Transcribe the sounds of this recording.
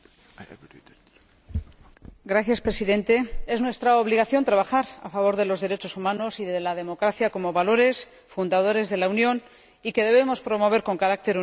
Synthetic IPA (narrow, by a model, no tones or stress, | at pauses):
ɡɾaθjaspɾe̞siðẽ̞nt̪e̞e̞znwe̞st̪ɾaoβ̞liɣ̞aθjo̞nt̪ɾaβaxaɾa̰faβ̞o̞ɾðe̞lo̞zðe̞ɾe̞t͡ʃo̞sumãno̞siðelað̞e̞mo̞kɾaθjako̞mo̞βalo̞ɾe̞s | fund̪að̞o̞ɾe̞zðe̞launjõ̞n | ike̞ðe̞β̞e̞mo̞spɾo̞mo̞β̞e̞ɾko̞ŋkaɾak̚t̪e̞ɾu